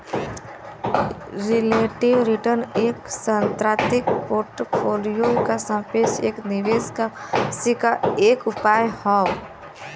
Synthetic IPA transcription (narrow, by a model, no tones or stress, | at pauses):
ɾɪleʈiʋɾiʈəɾneːksə̃nt̪ɾat̪ɪkpoːɾʈpʰolijokasə̃pet͡ʃʰeːknɪʋeːskasikaeːkʊpajhɔ